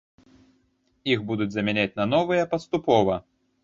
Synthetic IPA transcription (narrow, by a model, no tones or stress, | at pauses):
iɣbud̪ud͡zʲzɐmʲɛnʲat͡sʲnɐnɔvɨjɐpɐst̪upɔvɐ